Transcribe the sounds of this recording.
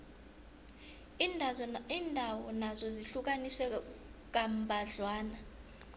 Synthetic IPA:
iiːndʱawɔnazɔziɬuk̬ʼanisɛk̬ʼambʱaɮwaːna

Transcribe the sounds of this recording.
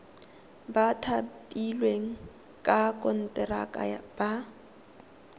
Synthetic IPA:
batʰapʼilweŋ̩ | kʼakʼɔn̩tʼɛra̰kʼa̰ja̰b̥a

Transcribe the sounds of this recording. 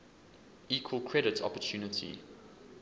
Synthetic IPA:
iːkʰwəlˠkʰɹɛɾɪtʰɔ̰pətʰjuːnətʰḭ

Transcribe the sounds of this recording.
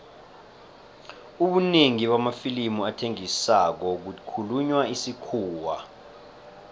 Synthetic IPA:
uɓuneŋiɓamafilimuatʰeŋisak̬ɔk̬ukʰuluɲwaisikʰuːwa

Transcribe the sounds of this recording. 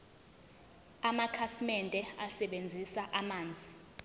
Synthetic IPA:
amakʰasimɛntʼɛasɛɓend͡zʱisaʔamaːnd͡zʱi

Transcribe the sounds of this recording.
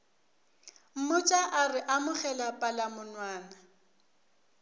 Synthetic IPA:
m̩mʊt͡ʃʼaʔarɪʔamʊχɛlapʼalamʊnwaːna

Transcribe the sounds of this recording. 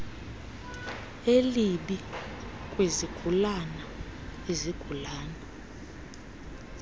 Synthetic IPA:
eliɓi | kʼweziɡ̥ʱulanaeziɡ̥ʱulaːna

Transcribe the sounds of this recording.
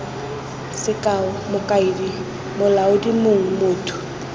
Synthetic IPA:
sɪkʼaʊmʊkʼaɪdi | mʊlaʊdimʊŋ̩mʊːtʰʼʊ̥

